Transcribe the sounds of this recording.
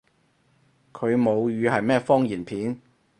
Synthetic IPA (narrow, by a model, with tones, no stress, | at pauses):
kʰɵ˨˧ɥmo˨˧wjyː˨˧hɐ˨jmɛː˥fɔː˥ŋjiː˨˩npʰiː˨˥n